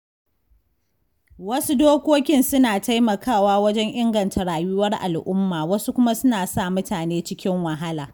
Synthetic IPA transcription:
wɐ˦su˦doː˦kʷoː˦kʲɪ˦nsʊ˦naː˨ta˦jmɐ˨kaː˦˨waː˦wɐ˦d͡ʒɛ˦ŋʔɪ˦ŋɡɐ˨ntʰa˨ɽaː˨jʊ˦wɐ˦rʔa̰˨lʔʊ˦mːaː˨wɐ˦su˦kʷʊ˦ma˦sʊ˦naː˨sa˦˨mʊ˦taː˨neː˦t͡ʃɪ˦kʲɪ˦ŋwɐ˨ɦa˦laː˨

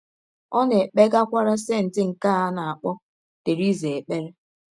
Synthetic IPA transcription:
ɔ˦ne˨k͡pe˦ɡa˦kʷa˦ɾa˦se˦n̩˨tɪ˦ŋ̩˨ka˦˨a˦na˨a˨k͡pɔ˦ | te˨ɾi˦ze˨e˨k͡pe˦ɾe˦

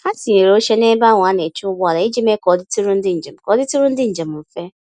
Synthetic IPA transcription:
ka˦ti˨ɲe˨ɾo˦ʃe˦ne˦ba˦˨ŋʷ˨a˨˦ne˨t͡ʃʊ˦bʊ˦a˨la˨i˦d͡ʒi˦me˦kɔ˨˦dɪ˦ti˦ɾʊ˦n̩˦dɪ˦n̩˨d͡ʒe˨m̩˨kɔ˨˦ɪ˦tu˦ɾʊ˦n̩˦dɪ˦n̩˨d͡ʒe˨m̩˨m̩˨fe˦

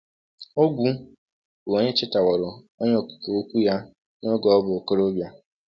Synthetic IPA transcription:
o˦ɡʷu˦ | bʊ˨o˦ɲe˦t͡ʃɪ˦ta˨wɔ˨ɾʊ˨ | ɔ˦ɲ˦ɔ˦˨ku̥˨ko˨o˦kʷu˦ja˦ | nɔ˦ɡɔ˨ɔ˦bʊ˨ko˦ɾo˦bja˦

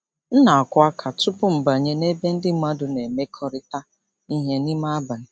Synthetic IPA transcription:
n̩˦na˨a˨kʷʊ˦a˦kʰa˨tʊ˦pʊ˦m̩˨ba˨ɲe˦ne˦be˦n̩˦dɪ˦ma˦dʊ˨ne˨me˦kʰɔ˦ɾɪ˦ta˦ | i˦ɦe˦ni˦ma˦a˦ba˨n̩˨

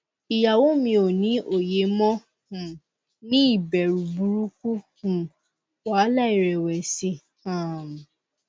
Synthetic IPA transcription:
i˨ja˨wo˦mĩ˧o˨nĩ˨˦ʔo˨je˨˦mɔ̃˦ | hũ˨ | nĩ˦i˦˨bɛ˨ɾu˨bu˨˦ɾu˦ku˦hũ˨ | wa˨˦la˦˨i˨ɾɛ˨wɛ˨si˧˦ | hã˨m˨

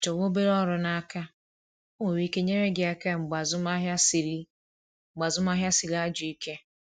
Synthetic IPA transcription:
t͡ʃɔ˨wo˦be˦ɾɔ˦ɾʊ˨na˦ka˦ | o˦ŋe˨ɾi˦ke˦ɲe˦ɾe˦ɡɪ˨a˨ka˦˨ŋ͡m̩˨ɡ͡ba˨zʊ˦ma˦ɦja˦si˨ɾi˦ | ŋ͡m̩˨ɡ͡ba˨zʊ˦m˦a˦ɦja˦si˨li˦a˦d͡ʒʊ˨i˦ke˦

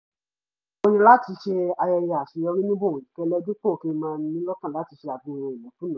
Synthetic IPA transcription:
o˧nĩ˧la˦ti˧˦ʃe˧a˧jɛ˧ja˧˨a˨ʃi˨jɔ˧ɾi˦nĩ˦bo˦˨i˨kɛ˦˧˦lɛ˦di˦k͡po˦˨ke˦˧mãː˦˧n˧˦nĩ˦lɔ˦kã˦˨la˨˦ti˨˧˦ʃɛ˧a˨bũ˧˦˨ɾɔ̃˧˨i˨lɛ˨˦kũ˦nã˨˦

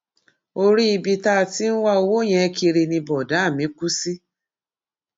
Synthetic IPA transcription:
o˧ɾi˦i˧bi˧ta˦˨ti˦n̩˦wa˦o˧wo˦˨j̃ɛ̃˧ki˧ɾe˧nĩ˧bɔ˨da˨˦a˦˨mĩ˨˦ku˦si˦

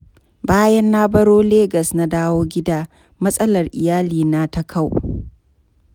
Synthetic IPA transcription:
baː˦jɐ˦nːaː˦bɐ˦ɽoː˦leː˦ɡɐ˨sna˦daː˦woː˦ɡʲɪ˦daː˦ | mɐ˦sʼɐ˦lɐ˨rʔɪ˨jaː˦liː˨na˦tɐ˦kʰa˦˨w

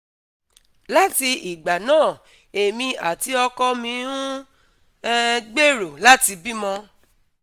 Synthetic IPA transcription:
la˦ti˧i˨ɡ͡ba˨nãː˦˨ | e˨mĩ˧a˨ti˨˦ɔ˧kɔ˧mĩ˧˦ũ˦ | ɛ˧ɡ͡be˦˨ɾo˨la˦ti˧bi˦mɔ̃˧

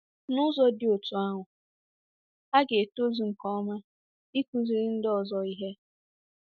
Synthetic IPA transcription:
nʊ˦zɔ˦dɪ˦o˨tu˨a˦ɦʊ˨ | a˦ɡe˨e˨to˦zu˨ŋ̩˨kɔ˦ma˦ | i˦kʷu˦zi˨ɾi˦n̩˦dɔ˨zɔ˨i˦ɦe˦

